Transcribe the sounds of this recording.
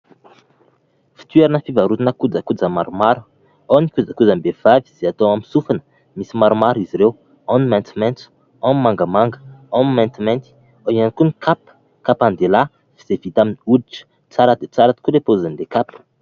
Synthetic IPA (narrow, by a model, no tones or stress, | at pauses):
fi̥t̪ɥeɾanəfivaɾut̪inəkud͡zəkud͡zəmaɾumaɾu̥ | onikud͡zəkud͡zambev̥aviz̥eat̪owamisufanə̥ | misimaɾumaɾiziɾew | animɛ̃nt̪mɛnt̪ | ammaŋɡəmaŋɡəamimɛ̃nt̪imɛ̃nt̪i̥ | oianikunikʰap | kapand̪ela | v̥iz̥evit̪aminiudiʈ͡ʂə̥ | t͡saɾad̪et͡saɾat̪i̥kulepozanlekap